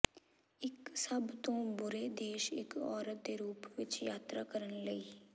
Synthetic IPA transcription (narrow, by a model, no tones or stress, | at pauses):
ɪksəbt̪õːbʊɾeːd̪eːʃɪ̰kɔːɾət̪̚d̪eːɾuːpʋɪt͡ʃjaːt̪ɾaːkəɾənləiː